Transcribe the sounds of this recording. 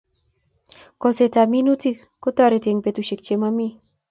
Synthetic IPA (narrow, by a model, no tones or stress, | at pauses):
koset̪aminut͡sik | kot̪aɾet̪eŋpet̪uʃek̚t͡ʃemami